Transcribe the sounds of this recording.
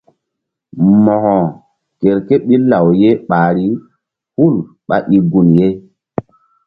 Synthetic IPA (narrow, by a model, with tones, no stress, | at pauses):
mɔ˨hɔ̃˨ | ke˨ɾke˦ɓi˦la˨wje˦ɓaː˨ɾi˦ | hu˦˨l | ɓa̰˦ʔi˨ɡu˨nje˦